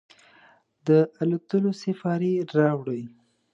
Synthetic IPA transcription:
d̪əʔalut̪əlosɪfɑɾiɾɑwɽəj

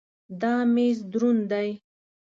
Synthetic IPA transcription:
d̪ɑmezd̪ɾund̪aj

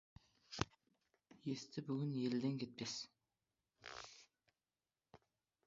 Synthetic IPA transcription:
jest̪ʰɪbyɡʲynjelɪd̪ɪŋkʲʰet̪̚pʰes

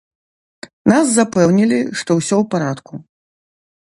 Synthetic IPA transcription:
naszapɛwnʲilʲiʂt̪ɔwsʲɔwpaɾat̪ku

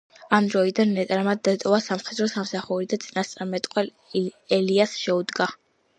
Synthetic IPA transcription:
amd̪ɾɔid̪anːɛt̪ʼɾamad̪d̪ːat̪ʼɔvasamχɛd̪ɾɔsamsaχuɾid̪at̪sʼinast̪sʼaɾmɛt̪ʼqʼwɛl | ɛliasʃɛud̪ɡa

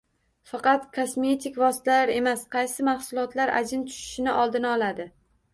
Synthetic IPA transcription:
fɑqɑt̪kʰosme̞t̪ikʲvɒsɪ̥t̪ʰalaɾe̞masqʰɑjsɪmahsʊlˠɒt̪laɾa̰d͡ʒɪnt̪ʰʊ̥ʃɪ̥ʃɪnɪʔɒlˠd̪ɪnɪɒlˠad̪ɪ

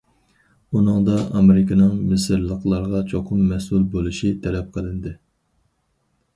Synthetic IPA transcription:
unɨŋd̪ɑʔɑmɪɾɪkʲʰɪnɨŋmɪsɨɾlˠəqlˠɑɾʁɑt͡ʃʰoqʰʊmːɛsulˠbolˠuʃit̪ʰɛlɛp̚qʰəlˠɪnd̪ɪ

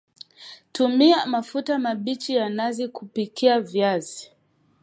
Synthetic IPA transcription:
tumiamafutamaɓit͡ʃijanazikupikʰiavjazi

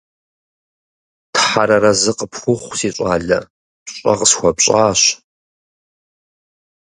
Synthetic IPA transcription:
tʰħaɾɐɾɐzɨqəpʰxʷʊχʷsiːɕʼaːɮɐ | ɕʼɐ̰qəsxʷɔpɕʼaːɕ

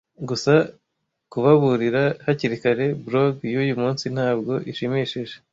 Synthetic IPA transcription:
ɡusa | kuβaβuɾiɾahaciɾikaɾe̞bɾoɡjujumuːnsin̥haːb̚ɡo̞ʔiʃimiʃiʒe

